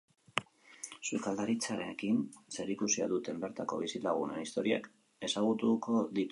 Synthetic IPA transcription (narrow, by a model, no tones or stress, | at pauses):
sukald̪aɾit͡saɾeːkinse̞ɾikusia̰ðut̪e̞mbe̞ɾt̪ako̞̰βisilaɣ̞una̰nist̪o̞ɾia̰k | e̞saɣ̞ut̪uko̞ðit̪u